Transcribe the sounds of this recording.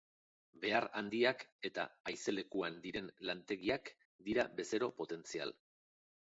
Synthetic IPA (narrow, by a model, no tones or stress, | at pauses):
be̞arand̪iake̞t̪a̰ːjse̞le̞kuand̪iɾe̞nlant̪e̞ɣiak | d̪iɾabe̞se̞ɾo̞po̞t̪e̞nt͡sia̰l